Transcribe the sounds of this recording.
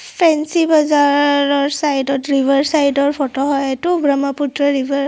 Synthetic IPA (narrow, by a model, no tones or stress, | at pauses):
pʰɛnsibazaɹɔɹsajdɔtɹibʱaɹsajdɔɹpʰɔtɔɦɔjɛtubɹamaputɹɔɹibaɹ